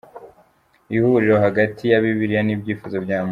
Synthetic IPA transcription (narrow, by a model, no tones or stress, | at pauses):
ihuɾiɾo̞ɦaɡatʰijaβiβiɾijanibɟiːfuzobjaːm